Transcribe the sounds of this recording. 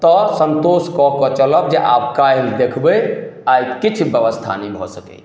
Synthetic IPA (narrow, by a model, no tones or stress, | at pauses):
t̪ɔsənt̪oskɔkɔt͡ʃələb̚d͡ʒeʔa̰p̚kajld̪ekʰbəajkit͡ʃʰbjəʋəst̪ʰa̰nəjbʱɔ̰səkɛ̰